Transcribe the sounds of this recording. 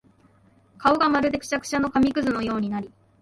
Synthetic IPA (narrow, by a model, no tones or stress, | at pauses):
kaoɡamaɾɯ̟d̪e̞kɯ̥t͡ɕakɯ̥ɕano̞kamʲikɯ̟zɨno̞jo̞ːɲ̟inaɾʲi